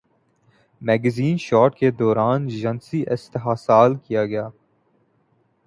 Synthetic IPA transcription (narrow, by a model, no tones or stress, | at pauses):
mɛːɡɛziːnʃɔːʈked̪ɔːɾaːnʒɐnsiʔɪst̪əɦaːsaːlkijaɡɐjaː